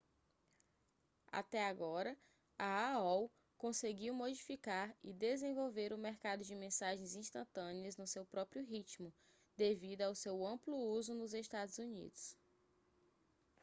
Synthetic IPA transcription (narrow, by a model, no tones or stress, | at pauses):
a̰t̪ɛaɡɔɾɐ | aaɔw | kõseɡiwmod͡ʒifikaɾɪ̰d̪ezẽvowveɾʊmeɾkad̪ʊd͡ʒɪmẽsaʒẽj̃zĩst̪ɐ̃t̪ɐ̃niɐznʊsewpɾɔpɾjʊɦit͡ʃmʊ | d̪evid̪ʊawsewɐ̃plʊuzʊnʊzeʃt̪ad̪ʊzunḭd̪ʊs